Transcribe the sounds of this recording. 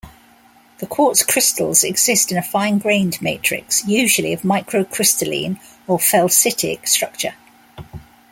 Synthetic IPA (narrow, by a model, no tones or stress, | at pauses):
ðəkʰw̥ɔˑtskʰɹ̥ɪstʰə̰lˠz̥ɛɡz̥ɪstɪ̃nəfãɪ̃nɡɹẽɪ̃ndmeɪtɹ̥ɪ̰ksjʉːʒəliəvmaɪkʰɹəʊkʰɹ̥ɪstəlḭ̃ːn | əfɛlˠsɪtʰɪ̰kstɹ̥ʌk̚t͡ʃə̰